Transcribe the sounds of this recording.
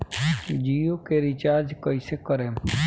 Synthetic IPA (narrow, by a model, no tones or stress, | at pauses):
d͡ʒiːjokeɾɪt͡ʃaːɾd͡ʒkəisekəɾẽː